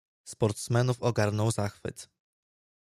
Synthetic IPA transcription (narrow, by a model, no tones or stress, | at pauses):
spɔɾt̪smɛnufɔɡaɾnɔwzaxfɘ̰t̪